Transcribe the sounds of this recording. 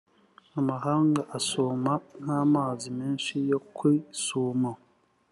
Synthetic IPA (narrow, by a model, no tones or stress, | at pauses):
amaɦaːŋɡaʔasuman̥aːmaːzimeːnʃijo̞kʰwisuːma